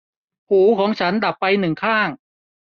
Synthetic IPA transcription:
pʰuː˩˦kʰɔː˩˦ŋt͡ɕʰa˦˥nda˨˩pːa˧jnɯ˨˩ŋkʰaː˥˩ŋ

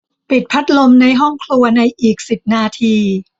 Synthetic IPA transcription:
pi˨˩t̪̚pʰa˦˥t̪̚lo˧mna˧jɦɔ˥˩ŋkʰlu˧ɐna˧jʔiː˨˩k̚si˨˩p̚naː˧t̪ʰiː˧

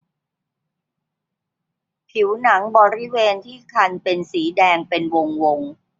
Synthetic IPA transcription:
pʰi˩˦wna˩˦ŋbɔː˧ɾi˦˥weː˧nt̪ʰiː˥˩kʰa˧npe˧nsiː˩˦dɛː˧ŋpe˧nwo˧ŋwo˧ŋ

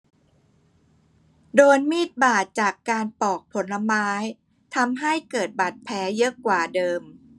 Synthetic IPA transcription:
doː˧jmiː˥˩t̪̚baː˨˩t̪̚t͡ɕaː˨˩kːaː˧npɔː˨˩k̚pʰo˩˦nla˧maː˦˥j | t̪ʰa˧mɦa˥˩jkɤː˨˩t̪̚ba˨˩t̪̚pʰɛː˩˦˥jɤ˦˥kwaː˨˩dɤː˧m

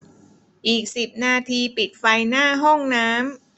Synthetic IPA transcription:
ʔiː˨˩k̚si˨˩p̚naː˧t̪ʰiː˧pi˨˩t̪̚fa˧jnaː˥˩ɦɔ˥˩ŋnaː˦˥m

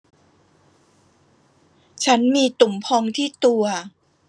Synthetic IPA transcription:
t͡ɕʰa˦˥nmiː˧t̪u˩˦mpʰɔ˧ŋt̪ʰiː˥˩t̪u˧ɐ

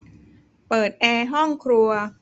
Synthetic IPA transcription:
pɤː˨˩t̪̚ʔɛː˧ɦɔ˥˩ŋkʰɾu˧ɐ

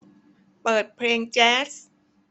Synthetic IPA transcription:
pɤː˨˩t̪̚pʰleː˧ŋt͡ɕɛː˦˥s

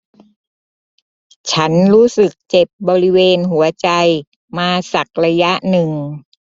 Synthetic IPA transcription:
t͡ɕʰa˦˥nɾuː˦˥sɯ˨˩k̚t͡ɕe˨˩p̚bɔː˧ɾi˦˥weː˧nɦu˩˦ɐt͡ɕa˧j | maː˧sa˨˩k̚ɾa˧ja˦˥ʔnɯ˨˩ŋ

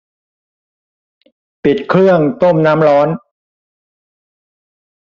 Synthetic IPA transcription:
pi˨˩t̪̚kʰlɯ˥˩əŋt̪o˥˩mnaː˦˥mɾɔː˦˥n

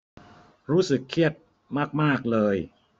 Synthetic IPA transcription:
ɾuː˦˥sɯ˨˩kʰːi˥˩ət̪̚ | maː˥˩k̚maː˥˩k̚lɤː˧j

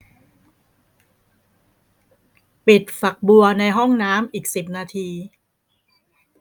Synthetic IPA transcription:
pi˨˩t̪̚fa˨˩k̚bu˧ɐna˧jɦɔ˥˩ŋnaː˦˥mʔiː˨˩k̚si˨˩p̚naː˧t̪ʰiː˧

